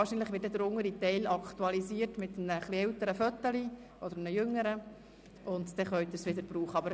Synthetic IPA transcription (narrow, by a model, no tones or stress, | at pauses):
ɑːɾʃiːnlɪχʋɪːt̚ɛdəɾʊŋəɾitɛɪlɑkt̪uɑlisiːəɾtmɪt̪əmnəχliɛltəɾəfœt̪ːəli | ʔɔd̥̪əɾnəjʏŋːəɾə | ʔʊnt̪d̥̪ɛχœʏt̪əsʋɪdəɾb̥ɾuːχəɑbəɾ